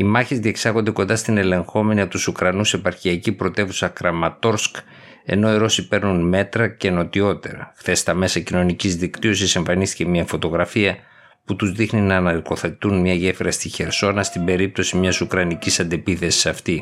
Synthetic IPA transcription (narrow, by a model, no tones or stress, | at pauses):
imɐçezðie̞ksɐɣo̞nd̪e̞ko̞nd̪ɐst̪ine̞le̞ŋxo̞me̞niɐpot̪usukɾɐnuse̞pɐɾçiɐcipɾo̞t̪e̞vusɐkɾɐmɐt̪o̞ɾsk | e̞̰no̞iɾo̞sipe̞ɾnunme̞t̪ɾɐce̞no̞t̪io̞t̪e̞̰ɾɐ̰xθe̞st̪ɐme̞sɐcino̞nicizðikt̪io̞sise̞ɱfɐnist̪ice̞miɐfo̞t̪o̞ɣɾɐfiɐ | put̪uzðixninɐːnɐɾko̞θe̞t̪unmɲɐʝe̞fiɾɐst̪içe̞ɾso̞nɐst̪ibe̞ɾip̚t̪o̞simɲɐsukɾɐnicisɐnd̪e̞piθe̞si̥sɐft̪i